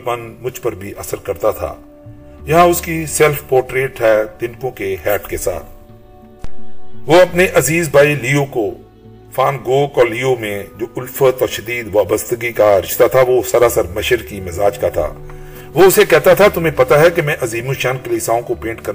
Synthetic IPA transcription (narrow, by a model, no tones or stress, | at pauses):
mɐnmʊd͡ʒʱpɐɾbʱiʔɐsəɾkɐɾt̪at̪ʰa̰ː | jɐɦãʊskisɛlfpɔːɾʈɾeːʈɦɛt̪ɪ̃nkõkeɦɛːʈkesa̰ːt̪ʰ | ʋoɐpneʔɐziːzbʱaːiliːoko | faːnɡoːkɔːliːomẽd͡ʒoːʔʊlfət̪ɔːɾʃɐd̪iːd̪ʋaːbəst̪əɡikaɾɪʃt̪at̪ʰaʋosɐɾasəɾmɐʃəɾkimɪzaːd͡ʒkat̪ʰa̰ː | ʋoʊsekɛɦt̪at̪ʰat̪ʊm̤ẽpɐt̪aɦɛkemɛ̃ʔɐziːmũʃaːnkɐliːsaːõkobẽːɳʈkɐɾ